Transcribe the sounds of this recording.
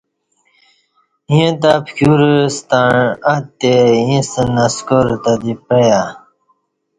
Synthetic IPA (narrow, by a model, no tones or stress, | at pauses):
ĩẽt̪apkuɾst̪aɳat̪ːejĩsənɐskoɾt̪ad̪ipəja